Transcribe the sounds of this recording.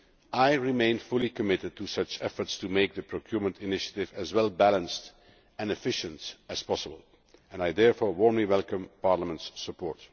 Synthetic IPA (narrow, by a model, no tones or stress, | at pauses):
ʔaɪɹɪmẽɪ̃nfʊlˠikəmɪtɨd̚tʰusʌt͡ʃɛfə˞tstumeɪk̚ðəpʰɹokʰj̥uːɹmə̃ntɪnɪʃə̥tɪvæzwɛlˠbælə̃nst | ɛ̃nɨfɪʃə̃ntɨspɑsəbəlˠ | ɛ̃najdɛɹfɔːɹwɔɹmliwɛlˠkə̃mpɑɹləmə̃ntsːəpɔ̰ːɹt